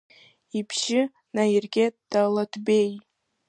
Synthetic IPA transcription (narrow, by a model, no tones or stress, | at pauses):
ipʰʃɪ | najirɡʲed̥alˠatʰbej